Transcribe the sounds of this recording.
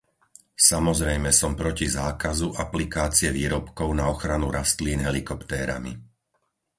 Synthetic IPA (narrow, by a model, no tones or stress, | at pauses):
samɔzɾɛjmɛsɔmpɾɔcizaːkazuʔaplikaːt͡siɛʋiːɾɔpkɔʊnaɔxɾanuɾast̪liːnɦɛlikɔpt̪ɛːɾa̰mḭ